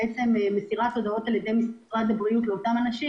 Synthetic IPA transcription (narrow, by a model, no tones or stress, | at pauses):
et͡se̞memesiʁat̪o̞d̪ao̞t̪aljed̪e̞jmis | ʁat̪abʁijut̪leo̞tamanaʃi